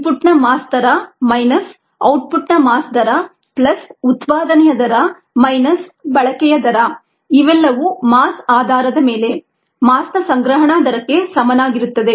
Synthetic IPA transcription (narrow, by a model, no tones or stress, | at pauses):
puʈnɐmaːsd̪ɐɾɐmɐjnɐs | ɐwʈ̚pʰuʈnɐmaːsd̪ɐɾɐ | plɐsut̪paːd̪ɐnɛjɐd̪ɐɾɐ | mɐjnɐsbɐɭɐkɛjɐd̪ɐɾɐ | iʋɛlːɐʋumaːsaːd̪ʱaːɾɐd̪ɐme̞ːle̞ | maːsnɐsɐŋɡɾɐɦɐɳaːd̪ɐɾɐkːe̞sɐmɐnaːɡiɾut̪ːɐd̪e̞